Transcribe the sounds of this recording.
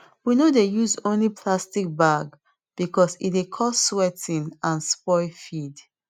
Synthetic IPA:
winodejuzõnlipʰlastik̚baɡ | b̥ikɔsḭtekʰɔsːwɛtĩnãnspɔɪfid

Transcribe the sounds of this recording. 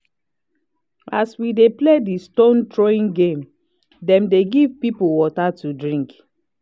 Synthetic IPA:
aswidepledistõntɹoĩŋɡẽm | dɛ̃mdeɡivpipowɔtatudɹĩŋk

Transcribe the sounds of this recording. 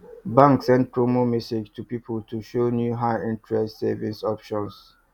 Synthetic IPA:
bãŋksɛ̃nd̚pʰɹomomised͡ʒtʰupipʰəltʰuʃonjuɦaɪɪ̃ntɹɛstsevĩnsɔpʃɔ̃ns

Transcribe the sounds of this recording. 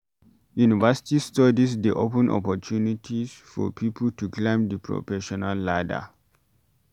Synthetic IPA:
junivasi̥tistɔdisdiʔopə̃nʔɔ̰pɔtʰunitʰisfɔ̰pʰipəl̩tuklãɪ̃mdəpʰɹɔ̰fɛʃɔnalːadə̰

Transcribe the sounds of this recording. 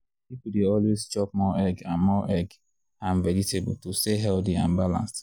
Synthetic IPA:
pipudeɔlwezt͡ʃɔp̚mɔɛɡãnmɔʔɛɡ | ãɱvɛɹitebṵltusteɦɛldiã̰nbalã̰ns

